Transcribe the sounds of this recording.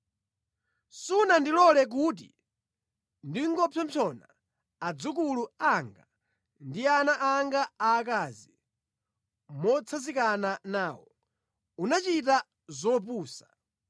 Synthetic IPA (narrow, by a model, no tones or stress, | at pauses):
sunandilɔlɛk̬uːt̬ḭ | ndiŋɡɔpʰɔmpʰɔna | ad͡zuk̬uluaŋɡa | ndianaʔaŋɡaaːk̬aːzi | mɔt͡sʰazikananaːwɔ | unat͡ʃit̬a | zɔp̬uːsḁ